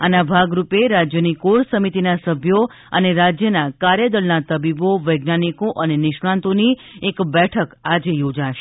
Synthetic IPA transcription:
anabʱaɡɾupeɾad͡ʒjənikoɽsəmit̪inasəbʱjo | ə̰neɾad͡ʒjənakaɾjəd̪əɾnat̪əbiboʋəjɡnanikoʔənenɪʃɳãnt̪oniekbɛʈʰəkad͡ʒejod͡ʒaʃe

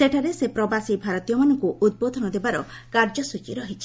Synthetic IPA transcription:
seʈʰaɾesepɾɔbasibʱaɾɔt̪ijɔmanɔŋkuʔud̪̚bod̪ʱɔnɔd̪ebaɾɔkaɾd͡ʒɔsut͡ʃiɾɔɦit͡ʃʰi̥

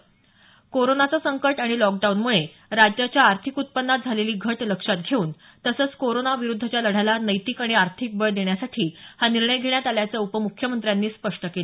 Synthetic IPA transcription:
koɾonat͡sasəŋkəʈaɽ̃ilɔk̚ɖaunmuɭe | ɾad͡ʑjat͡ɕjaːɾt̪ʰikut̪̚pənːat̪̚d͡zʱaleliːɡʱəʈləkʂat̪̚ɡʱeuːn | t̪əsəːt͡skoɾonaʋiɾud̪ʱːət͡ɕjaləɽ̤alanəjt̪ikaɽ̃iaɾt̪ʰik̚bəɭd̪eɳjasaʈʰiːhaniɾɳəjɡʱeɭjat̪aljat͡saupəmukʰjəmənt̪ɾjanːiːspəʂʈəkel

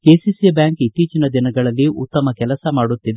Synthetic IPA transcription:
keːsisibjaːŋkit̪ːiːt͡ʃinɐd̪inɐɡɐɭɐlːiʔṵt̪ːɐmɐkɛlɐsɐmaːɽut̪ːid̪e

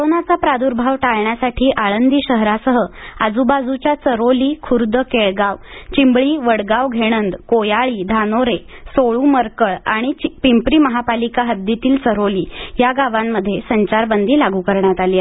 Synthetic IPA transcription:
koɾonat͡sapɾad̪uɾbʱaʋʈaɭɳjasaʈʰiːʔaɭənd̪iːɕəɦɾasəɦəad͡zubad͡zut͡ɕjat͡səɾoliːkʰuɾd̪əkeɭɡaʋt͡ɕimbɭiːʋəɽɡaʋɡʱeɽ̃ənd̪kojaɭiːd̪ʱanoɾesoɭuməɾkəɭaɽ̃it͡ɕpimpɾiːməɦapalikaɦəd̪ːit̪iːlt͡səɾoliːjaɡaʋamːəd̪ʱːjesəɲt͡ɕaɾbənd̪ʱiːlaɡukəɾɳjat̪alja

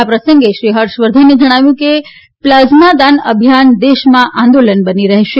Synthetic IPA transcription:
apɾəsəŋɡeʃɾiɦəɾʃʋəɾd̪ʱaned͡ʒəɽ̃aʋjũke | pləznad̪anəbʱjand̪eʃmãʔãnd̪olənbəniɾəɦʃe

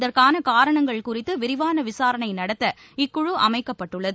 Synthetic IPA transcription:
ðɐrkaːnɐkaːɾɐɳɐŋɡɐɭkʊrɪt̪ːɯʋɪɾɪʋaːnɐʋɪsaːɾɐɳɐɪnɐɽɐt̪ːɐ | ɪkːʊɻɯʔɐmɐɪkːɐpːɐʈːɯɭːɐðɯ

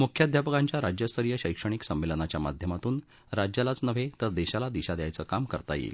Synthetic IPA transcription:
mukʰjad̪ʱjapəkãɲt͡ɕjaɾad͡ʑjəst̪əɾjəɕəjkʂəɽ̃iksəmʋelənat͡ɕjama̰d̪ʱjəmat̪uːn | ɾad͡ʑjalat͡snəʋ̤et̪əɾd̪eɕalad̪iɕad̪jajt͡səkamkə̰ɾt̪ajḛl

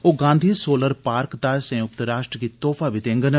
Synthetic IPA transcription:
oːɡãːnd̪ʱiːsoːləɾpaːɾkd̪aːsɐ̃jʊk̚t̪əɾaːʃʈɾəkit̪oːfaʋɪt̪ẽŋɡən

